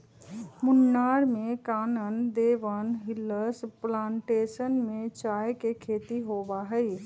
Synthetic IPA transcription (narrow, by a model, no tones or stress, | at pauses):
mʊnːaːɾmẽkaːnənd̪eːʋənɦɪləsplãːɳʈeːsənmẽt͡ʃaːjkekʰeːt̪iɦoːʋaɦɛi